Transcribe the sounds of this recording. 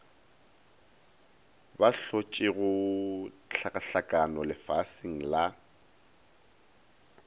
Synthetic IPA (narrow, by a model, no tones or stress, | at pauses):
baɬot͡ʃʼɪɣʊ | t͡ɬʰakʼaɬakʼanɔlɪfasiŋ̩la